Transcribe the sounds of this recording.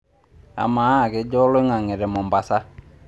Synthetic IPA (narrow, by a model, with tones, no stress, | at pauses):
a̰˨ma˨˦˨ke˦d͡ʒɔ˦lo˦ŋa˨ŋɛ˨ɾɛ˨mɔ˨mba˨sa˦